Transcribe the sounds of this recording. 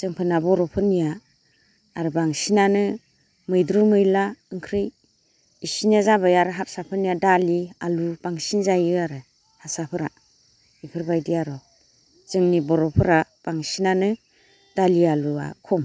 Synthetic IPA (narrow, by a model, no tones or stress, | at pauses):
z̥ɯŋpʰɯnabɔɾɔpʰɯnijaː | ɾɯbaŋsinanɯ | mɯjdɾumɯjlaɯŋkʰɾɯj | isinazabajaɾɯɦap̚sapʰɯnijadalialubaŋsinzajɯaɾɯ | hasapʰɯɾa | ipʰɯɾbajdijaɾɔ | z̥ɯŋnibɔɾɔpʰɯɾab̥aŋsinanɯ | d̥alialua̰kʰɔm